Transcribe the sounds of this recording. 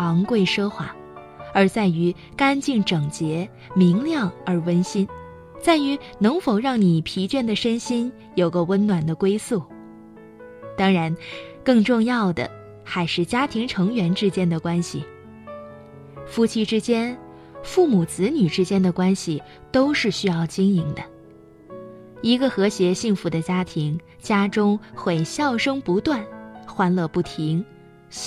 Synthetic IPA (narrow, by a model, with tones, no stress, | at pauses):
ɑ˧˥ŋkwe˥˩ɪʂɤ˥xwa˥˩ | ə˞˧˥t͡sa˥˩ɪy˧˥ | ka˥nt͡ɕi˥˩ŋʈ͡ʂɤ˨˩ŋt͡ɕjɛ˧˥ | mi˧˥ŋljɑ˥˩ŋə˞˧˥wə˥nɕi˥n | t͡sa˥˩ɪy˧˥ | nɤ˧˥ŋfo˨˩ʊɻɑ˥˩ŋni˨˩pʰi˧˥t͡ɕɥɛ˥˩nd̪ə˨˩ʂə˥nɕi˥n | jo˨˩ʊɡə˧wə˥nnwa˨˩nd̪ə˦kwe˥ɪsu˥˩ | t̪ɑ˥ŋɻa˧˥nkɤ˥˧ŋʈ͡ʂʊ˥˧ŋjɑ˥˩ʊd̪ə̰˩ | xa˧˥ɪʂɻ̩˥˩t͡ɕja˥t̪ʰi˧˥ŋʈ͡ʂʰɤ˧˥ŋɥɛ˧˥nʈ͡ʂɻ̩˥t͡ɕjɛ˥nd̪ə˨kwa˥nɕḭ˨˩ | fu˥t͡ɕʰi˥ʈ͡ʂɻ̩˥t͡ɕjɛ˥n | fu˥˩mu˨˩t͡sɹ̩˧˥ny˨˩ʈ͡ʂɻ̩˥t͡ɕjɛ˥nd̪ə˨kwa˥nɕi˨ | t̪o˥ʊʂɻ̩˥˩ɕy˥jɑ˥˩ʊt͡ɕi˥ŋi˧˥ŋd̪ə˧ | i˧˥ɡə˧xɤ˧˥ɕjɛ˧˥ɕi˥˩ŋfu˧˥d̪ə˧t͡ɕja˥t̪ʰi˧˥ŋ | t͡ɕja˥ʈ͡ʂʊ˥ŋxwe˥˩ɪɕjɑ˥˩ʊʂɤ˥ŋpu˧˥t̪wa˥˩nxwa˥nlɤ˧pu˥˩t̪ʰi˧˥ŋ